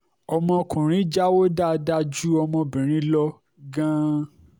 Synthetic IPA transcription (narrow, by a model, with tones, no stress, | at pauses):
ɔ˧mɔ̃˧kʰũ˨ɾ̃ĩ˨˦d͡ʒa˦wo˦da˦˨da˦d͡ʒu˦ɔ˧mɔ̃˧bĩ˨ɾ̃ĩ˦lɔ˦ | ɡã˦